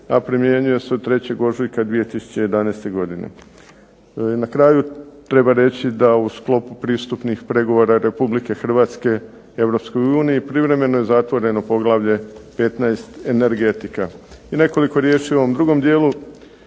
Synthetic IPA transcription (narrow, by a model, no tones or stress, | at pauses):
apɾimje̞ɲuje̞seod̪̚t̪ɾe̞t͡ɕeɡo̞ʒujkad̪ʋije̞t̪isu̥t͡ɕe̞jed̪anajst̪e̞ɡo̞d̪inḛ | nakɾaːjut̪ɾe̞baɾe̞t͡ɕid̪ausklˠo̞pupɾiːst̪upnixpɾe̞ɡo̞ʋo̞ɾaɾe̞publike̞xr̩ʋaːt̪ske̞ | e̞ʋɾo̞psko̞juːnijipɾiʋɾe̞me̞noje̞zat̪ʋo̞ɾe̞no̞po̞ɡlˠaʋʎe̞pe̞t̪najst̪e̞ne̞ɾɡe̞t̪ikaine̞ko̞liko̞ɾje̞ːʃioomd̪ɾuɡo̞md̪je̞ːlu